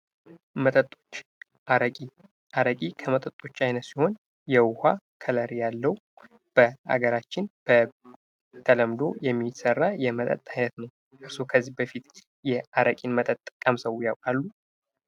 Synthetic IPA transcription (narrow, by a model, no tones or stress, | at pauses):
mət̪ʼət̪ʼːot͡ʃː | aɾəkʼi | ʔaɾəkʼikʰəmət̪ʼət̪ʼːo̞t͡ʃːajnət̪siho̞n | jɛwʊha | kʰələɾjalːəw | b̥əa̰ɡəɾat͡ʃːɪnb̥ə | t̪ʰələmd̪o̞jɛmːisərːajɛmət̪ʼə̰t̪ʼːajnət̪nəw | ʔɨɾsokʰəzːihbəfit̪ | jɛaɾəkʼinmət̪ʼət̪ʼːɨkʼːəmsəwjawkʼalːu